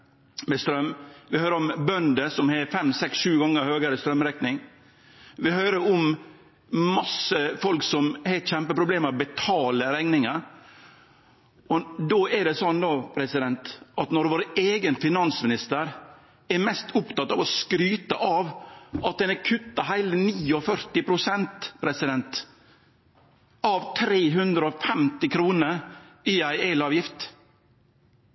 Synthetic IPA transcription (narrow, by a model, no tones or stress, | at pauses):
mɛst̪ɾœmːʋɪhøːɾəɔmbœnd̪əsɔmhɛfɛmːsɛksʃʉːɡɑŋːəɾhøːɡəɾəst̪ɾœmːɾɛknɪŋ | ʋɪhøːɾəɾɔm | mɑsəfɔlksɔmhɛɪt̪çɛmpəpɾʊbleːməbɛt̪ʰɑːləɾɛŋnɪŋəɾ | ɔd̪ɔɛɖɛsɔnd̪ɔpʰɾɛsɪd̪ɛnt̪ʔɑt̪nɔɾʋoːɾeːɡənfɪnɑnsmɪnɪst̪əɾ | ɛɾmɛst̪ʰʊpt̪ɑt̪ːɑʋɔskɾyːt̪əʔɑʋɑt̪̚d̪ɛnɛkʰʉt̪ːɑɦæɪləniːɔfœɾt̪ɪpʰɾʊsɛnt̪pʰɾɛsɪd̪ɛnt̪ | ɑʋt̪ʰɾeːɦʉnd̪ɾəɔfɛmt̪ɪkʰɾuːnəɾiæɪelɑːʋjɪft̪